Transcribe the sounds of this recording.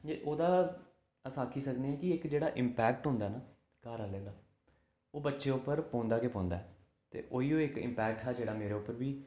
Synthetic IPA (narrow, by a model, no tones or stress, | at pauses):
d͡ʒeʔoːd̪aː | əsaːkʰiːsəkneːɛːkɪɪkd͡ʒeːɽaːʔɪmpɛːkʈɦʊ̃nd̪aːnaː | kaːɾaːleːlaː | oːbətːʃeːʊpːəɾpɔ̃ːnd̪aːkepɔ̃ːnd̪aːɛː | t̪ḛːʔoːiːoːɪkɪ̰mpɛːk̚ʈɦaːd͡ʒeːɽaːmeːɾeːʊpːəɾʋiː